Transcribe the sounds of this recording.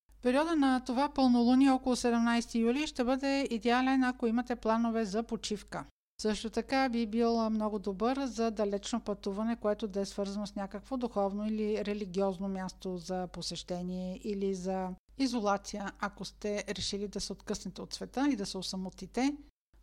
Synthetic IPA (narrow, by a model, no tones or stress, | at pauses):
pɛɾiɔd̪ənɐt̪ovapɤlˠnolˠuniɔkolˠʊsɛd̪ɛmnajst̪ijuliʃt̪ɛbɤd̪ɛid̪ɛalɛnɐkoimɐt̪ɛplˠanovɛzɐpot͡ʃifkə | sɤʃt̪ot̪ɐkabibilˠmnɔɡʊd̪obɤɾzɐd̪ɐlɛt͡ʃnopɐt̪uvɐnɛkoɛt̪od̪ɐɛsvɤɾzɐnosnʲakəkvod̪uxɔvnoiliɾɛliɡʲiɔznomʲjast̪ozɐposɛʃt̪ɛniɛʔilizɐ | izolˠat̪sijəɐkost̪ɛɾɛʃilid̪ɐsɛot̪kɤsnɛt̪ɛot̪svɛt̪əid̪ɐsɛosɐmot̪it̪ɛ